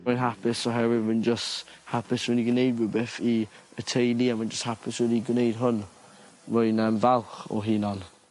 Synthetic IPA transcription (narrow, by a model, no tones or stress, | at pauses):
majnɦapʰɪsɔɦɛvɪmənd͡ʒəsthapʰɪswɪniɡənejd̚wʊbɛθiətʰejlˠiamand͡ʒəsthapʰɪswɛdiɡwnejdɦʊn | vʊɨnəmvalˠχɔ̰ɦinɔn